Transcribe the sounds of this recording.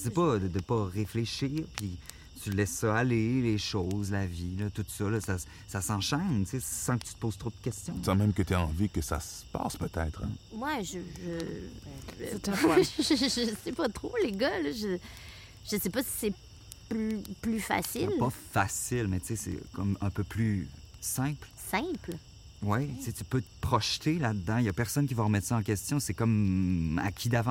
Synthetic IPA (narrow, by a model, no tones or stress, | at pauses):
sepɔd̪əd̪əpɔʁefleʃiːʁpi | t̪ylɛsːɔaleleʃoːzlavilɔt̪ut̪sɔlɔsa | sasɑ̃ʃɛnt͡sesɑ̃kə̥t̪y̥t̪əpoz̥t̪ʁod̪̥̚əkʲɛst͡s̪jɔ̃sɑ̃mɛ̃mkət̪yeɑ̃vikəsa̰sə̥pa̰ːspøt̪ɛ̰t̪ʁmwaʒəʒə | ʒʒəsɛpʌt̪χoleɡʌlɔʒə | ʒ̥əsɛpasi̥sɛ | plyplyfa̰sɪlpɔfasɪlmɛt͡sesɛ̰kɔmɛ̃pøplysɛ̃plsɛ̃pl | wɛt͡set̪y̥pøt̪ə̥pχɔʃt̪elad̪d̪ɑ̃ijapɛʁsɔnkʲivaʁəmɛt̪saɑ̃k̬ʲɛst̪jɔ̃sɛkɔma̰kʲʰid̪avɑ̃